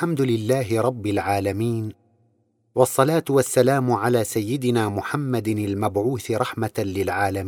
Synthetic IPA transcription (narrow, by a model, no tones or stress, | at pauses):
lħamd̪ʊlɪlːaːɦɪɾˤɑbːɪlʕaːlamiːn | wɑsˤːɑlaːt̪wasːalaːmʕalaːsajːɪd̪ɪnaːmʊħamːad̪ɪlmabʕuːθɾˤɑħmalɪlʕaːlamiː